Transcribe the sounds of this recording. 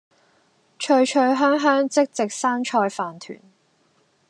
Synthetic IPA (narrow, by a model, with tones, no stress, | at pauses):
t͡ʃʰɵ˧ɥt͡ʃʰɵ˧ɥɦœː˥ŋɦœː˥ŋt͡sɪ˥k̚t͡sɪ˨k̚saː˥nt͡ʃʰɔː˧jfaː˨nt̪ʰy̰ː˨˩n